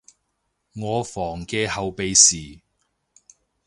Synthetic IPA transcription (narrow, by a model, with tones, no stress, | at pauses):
ŋɔː˨˧fɔː˨˩ŋkɛː˧hɐ˨wpe˨jsiː˨